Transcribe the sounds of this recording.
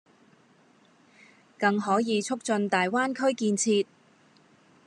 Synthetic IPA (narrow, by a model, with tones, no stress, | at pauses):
kɐ˧ŋɦɔː˨˥jiː˨˧t͡sʰʊ˥k̚t͡ʃɵ˧nt̪aː˨jwaː˥nkʰɵ˥ɥkiː˧nt͡sʰiː˧t̚